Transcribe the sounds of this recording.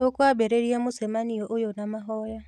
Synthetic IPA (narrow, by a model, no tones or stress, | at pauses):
okwabeɾeɾiamusemanioʔʊjonamaɦɔja